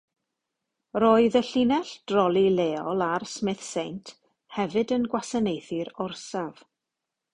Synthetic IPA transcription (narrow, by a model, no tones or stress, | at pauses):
roːɨðəɬinɛɬd̥rɔlˠileːɔlˠarsmɪθsejntʰ | hɛvɨdənɡwasanejθɨɾɔrsav̥